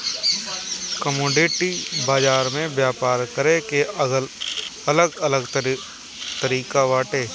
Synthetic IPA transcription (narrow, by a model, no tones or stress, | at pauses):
kəmoːɖeːʈibaːd͡ʒaːɾmẽbjaːpaːɾkəɾẽkelɐləɡələɡ | t̪əɾiːkaʋaːʈeː